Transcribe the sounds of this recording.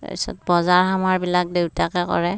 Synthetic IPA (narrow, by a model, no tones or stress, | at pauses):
isɔ̰t̚bɔzaɹɦamaɹbilak̚dewtakɛkɔ̰ɹɛ